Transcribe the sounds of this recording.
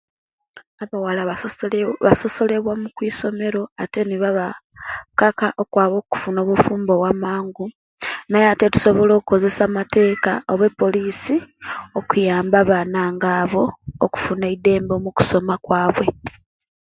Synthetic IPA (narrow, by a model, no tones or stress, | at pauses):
aβawala | βaso̞so̞le̞βwamukwiːso̞me̞ɾo̞ate̞niβaβa | kakaʔo̞kwaːβo̞ːku̥funo̞ːβufuːmbo̞wamaːŋɡu | najate̞tu̥so̞βo̞loːku̥ko̞ze̞samate̞ːkaoβwe̞pːo̞liːsiokujaːmbaβaːnaːŋɡaːβo̞ːku̥funeide̞ːmbo̞muku̥so̞makwaːβwe̞